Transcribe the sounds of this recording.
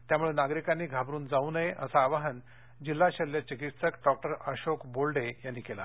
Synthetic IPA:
t̪jamuɭenaɡɾikanːiːɡʱabɾuːnd͡zaunəeʔə̰saːʋaɦən | d͡ʑilːaɕəlːet͡ɕikit̪səkɖɔk̚ʈəɾəɕokbolɖejanːiːkela̰

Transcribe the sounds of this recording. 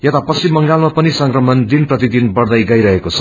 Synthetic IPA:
jʌt̪apʌst͡ʃimːʌŋɡalmapʌnisʌŋkrʌmʌnd̪inprʌt̪id̪inbʌrd̪ʌjɡʌjɾʌɦekot͡sʰʌ̥

